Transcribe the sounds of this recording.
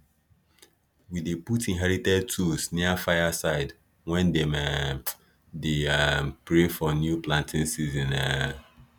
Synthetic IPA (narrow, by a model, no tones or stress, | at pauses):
wideputĩnɦɛɹitɛd̚tʰusniafaɪjasaɪd | wɛ̃ndem | deɛmpɹefɔnjuplãntʰɪ̃nsizɔ̃nɛ